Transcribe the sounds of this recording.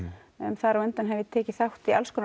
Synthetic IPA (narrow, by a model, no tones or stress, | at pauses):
ɛnθaɾawɛnt̪anɦɛvɪt̪ʰɛːcɪθawht̪ialskɔn